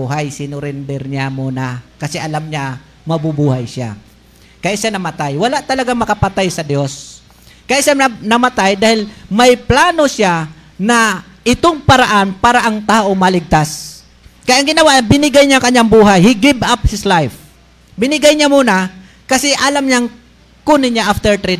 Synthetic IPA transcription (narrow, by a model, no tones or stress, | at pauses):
uɦajsɪnʊɾɪnd̪ɛɾɲamuːnakɐsɛʔɐlamɲa | mɐbubuːhajsa̰ | kɐjaʔʃanɐmat̪ajwɐlaʔt̪ɐlɐɡaŋmɐkapat̪ajsɐd̪jos | kajaʔʃanɐmat̪ajd̪aːhɪlmɐjplaːnoʃja | nɐ | ʔɪt̪oŋpɐɾaʔanpaːɾaʔɐŋt̪aːʔomɐlɪɡ̚t̪as | kɐjaʔɐŋɡɪnɐwaʔbɪnɪɡajɲakɐɲːaŋbuːɦajhiɡɪbap̚hɪslajf | bɪnɪɡajɲamuːna | kɐsɛʔalamɲaŋ | kʊnɪɲaʔaft̪ɛɹt̪ɾi